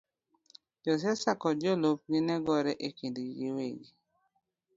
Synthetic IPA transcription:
d͡ʒɔs̬ɛsakɔd͡ʒolop̚ɡɪnɛɡɔɾɛʔekindiɡiweɡi

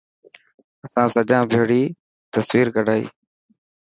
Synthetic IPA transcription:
əsãːsəd͡ʒãːbʱeːɽiː | t̪əswiːɾkəɖʱaːḭː

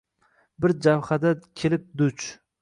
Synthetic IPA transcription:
bɪɾd͡ʒawhad̪akʲʰelɪp̚d̪ʊt͡ʃ

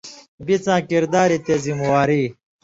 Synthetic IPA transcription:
bit͡sãːkiɾd̪aːɾit̪ezimɐwaːɾi

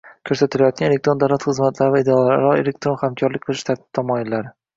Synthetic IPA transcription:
kʲʰɵɾsat̪ʰɪlajɒt̪̚ɡʲanelekt̪ɾod̪awlat̪χɨzmat̪ʰlaɾɪvaid̪eɒlaɾɾɒḛle̞k̚t̪ɾo̞nχamkʲʰɒɾlɪk̚ʲqʰɨlˠɪʃt̪ʰaɾt̪ʰɪ̥b̥̚t̪ʰamɒjɪlːaɾɪ

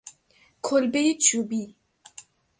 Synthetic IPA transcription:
kʰolbejet͡ʃʰubi

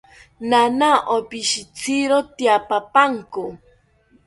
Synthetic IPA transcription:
nanaʔopiʃit͡sʰiɾot̪iapapaŋkʊ

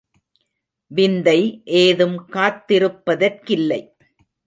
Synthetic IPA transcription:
ʋɪnd̪ɐɪʔeːðɯmkaːt̪ːɪɾɯpːɐðɐrkɪlːɐɪ

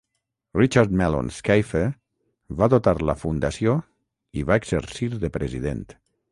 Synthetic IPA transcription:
rit͡ʃaɾt̪mɛlo̰nskajfe | βaðot̪aɾlə̰fund̪asio | iβaeɡz̥əɾsiɾðəpɾʔəziðḛnt̪

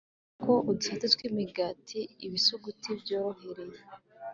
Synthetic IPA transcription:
koʔudifatatwimiɡaːtʰiːβisuɡutʰibjoːɾo̞heɾe

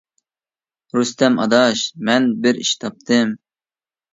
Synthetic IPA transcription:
ɾust̪ɛmʔɑ̰d̪ɑʃmɛnbɪɾḭʃt̪ʰɑp̚t̪ʰɨm

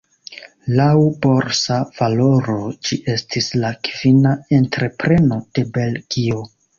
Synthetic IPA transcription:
lawbo̞ɾsav̥alo̞ɾo̞d͡ʒiʔe̞stʰislakv̥inae̞ntɾe̞pɾe̞no̞d̥e̞be̞lɡ̥io̞

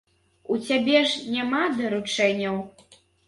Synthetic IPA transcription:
ut͡sʲabʲɛʐnʲamad̪ɐɾut͡ʂɛnʲːɐw

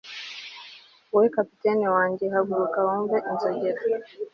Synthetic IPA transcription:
wɛkapitɛniwaŋɡiɦaɡuɾukawɔmbɛʔinzɔɡɛɾa

